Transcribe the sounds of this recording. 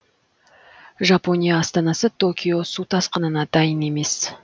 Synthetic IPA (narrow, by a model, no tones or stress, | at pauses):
ʒapo̞nʲijɑːst̪ɑnɑsət̪ʰo̞kʲʰijo̞sut̪ʰɑsqənənɑd̪̥ɑjəne̞me̞s